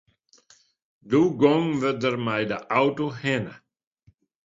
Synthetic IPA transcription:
duɡɔŋvədərmajdəʔawtohɛnə

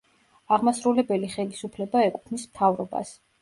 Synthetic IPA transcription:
aʁmasɾulɛbɛliχɛlisupʰlɛbaɛkʼu̥pʰnismt̪ʰavɾɔba̰s

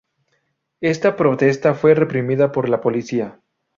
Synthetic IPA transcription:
e̞st̪apɾo̞t̪e̞st̪afwe̞re̞pɾimiðapo̞ɾlapo̞lisia

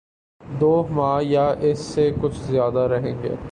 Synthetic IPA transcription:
d̪oːmãːjaʔɪsːekʊt͡ʃʰzjaːd̪aɾɐɦẽːŋɡḛː

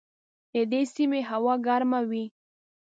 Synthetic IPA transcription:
d̪̥əd̪esimeɦawɑɡaɾmawi

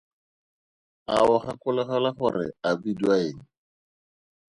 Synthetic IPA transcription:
a̰ʊχakʊlaχalaχʊrɪ̰abiduaeːŋ̩

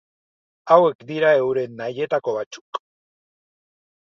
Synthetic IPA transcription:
awe̞kd̪iɾae̞wɾe̞nːaje̞t̪ako̞βat͡su̥k

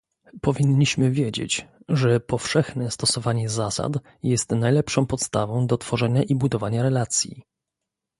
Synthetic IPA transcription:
pɔvʲiɲːiɕmɘvʲjed͡ʑḛt͡ɕʐɛpɔfʂɛxnɛst̪ɔsɔvaɲɛzasa̰t̪ | jɛst̪najlɛpʂɔ̃w̃pɔt̪st̪avɔ̃w̃d̪ɔt̪fɔʐɛɲaʔibud̪ɔvaɲaɾɛlat̪sʲjḭ

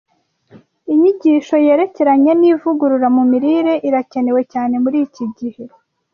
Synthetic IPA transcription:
iɲiɟiːʃo̞je̞ːɾe̞ce̞ɾaɲeniːvuɡuɾuɾamumiɾiɾe̞ʔiɾace̞ne̞we̞caːne̞muɾiːciɟihe̞

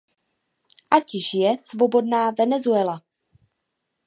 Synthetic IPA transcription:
ʔacɪʃjɛsvobo̞dnaːvɛnɛzuɛla

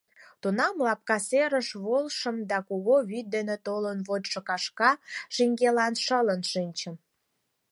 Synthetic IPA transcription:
t̪unɑmlɑp̚kɑseɾəʃβolʃə̆md̪ɑkuɣoβyt̪̚d̪enet̪olənβot̪ʃəkɑʃkɑʃiŋɡelɑnʃələnʃinʲt͡ɕəm

